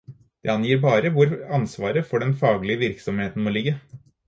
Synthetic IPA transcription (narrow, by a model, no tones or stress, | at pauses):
d̪̥ɛ̰ɑnjiːɾbɑːɾəʋʊɾɑnsʋɑːɾəfɔɖɛnfɑːɡlɪəʋɪɾksɔmheːt̪n̩moːlɪɡːə